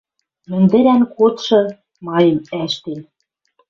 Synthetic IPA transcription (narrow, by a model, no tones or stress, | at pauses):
mɘ̆nd̪ɘ̆ɾænkot̪ʃɤ̆ | mɑjɤ̆mæʃt̪en